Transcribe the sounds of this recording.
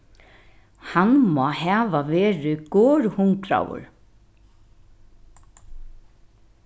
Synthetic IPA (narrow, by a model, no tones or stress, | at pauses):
hanmɔːɦɛːʋaʋɛːɾɪɡ̥ɔːɹhʊŋkɾa̰wʊ̰ɹ